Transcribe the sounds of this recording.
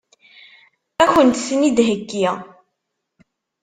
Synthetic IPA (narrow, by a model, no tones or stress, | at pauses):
æçənt̪θnid̪ɦəɡːi